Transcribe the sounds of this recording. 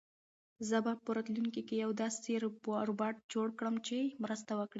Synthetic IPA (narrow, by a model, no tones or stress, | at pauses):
zəbapəɾɑt̪luŋkikejawd̪ɑseɾbɾobɑʈ̚d͡ʒoɽkɽəmt͡ʃemɾəst̪awəkɽi